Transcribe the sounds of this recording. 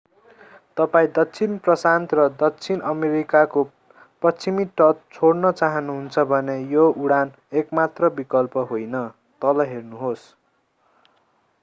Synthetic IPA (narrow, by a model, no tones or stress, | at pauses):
t̪ʌpaĩd̪ʌkt͡sʰinprʌsant̪rʌd̪ʌkt͡sʰinʌmeɾikako | prʌt͡sʰimiʈʌt̪̚t͡sʰoɽnʌt͡saɦʌnuɦunt͡sʰʌbʱʌnejouɽan | ekmat̪rʌbikʌlpʌɦojnʌ | t̪ʌlʌɦernuɦos